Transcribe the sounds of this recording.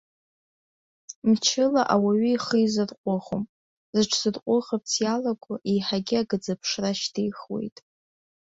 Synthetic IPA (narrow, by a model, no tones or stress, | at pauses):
mt͡ʃʰɪlaʔawaɥiiχəizɨrqʷʼʊχom | zɨʈ͡ʂʰz̥ɨrqʷʼʊʁap̚t͡sʰjalaɡʷʊʔijħaɡʲɪaɡɨd͡zapʰʂraʃtʰijχwḛjtʼ